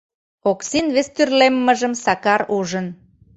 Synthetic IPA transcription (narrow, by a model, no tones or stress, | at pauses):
oksinβest̪yrlemːə̆ʒə̆msɑkɑɾuʒən